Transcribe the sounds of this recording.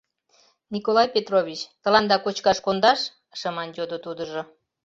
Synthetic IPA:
nʲikolˠɑjpʲet̪roβʲit͡ɕt̪ə̆lɑnd̪ɑkot͡ɕkɑʃkond̪ɑʃ | ʃəmɑnd͡ʑod̪ot̪ud̪əʒo

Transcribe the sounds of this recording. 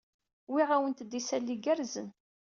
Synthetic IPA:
wiʁawənt̪d̪isælːiɡæɾzən

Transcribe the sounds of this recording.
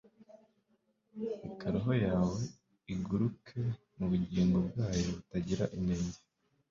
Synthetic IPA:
ikaɾiɦo̞jaːwe̞ | iɡuɾukʰe̞ | muβuɟiːŋɡo̞b̚ɡaːjo̞βutaɟiɾa̰ʔine̞ɲɟe

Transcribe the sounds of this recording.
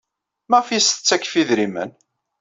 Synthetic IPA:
mæʁfisə̥t͡sːækːfiðɾimə̰n

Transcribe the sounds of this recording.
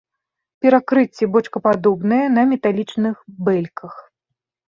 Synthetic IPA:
pʲɛɾakɾɨt͡sʲːɛbɔt͡ʂkɐpad̪ɔbnɨjɐn̪ɐmʲɛt̪alʲit͡ʂnɨxbɛlʲkʰɐx

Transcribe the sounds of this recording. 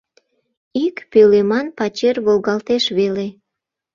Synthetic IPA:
ikpølemɑnpɑt͡ɕerβolɣɑlt̪eʃβele

